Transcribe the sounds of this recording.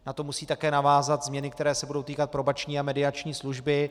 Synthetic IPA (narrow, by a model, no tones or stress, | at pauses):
nat̪o̞musiːt̪akɛːnavaːzat̪zmɲɛnɪk̚t̪ɛɾɛːsɛbudo̞wt̪iːkat̪̚pɾobat͡ʃɲiːamɛdɪat͡ʃɲiːsluʒbɪ